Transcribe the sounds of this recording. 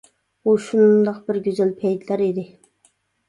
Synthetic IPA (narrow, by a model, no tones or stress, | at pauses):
buʃund̪ɑqbɪɾɡʲøzælpʰɛjt̪læɾid̪ɪ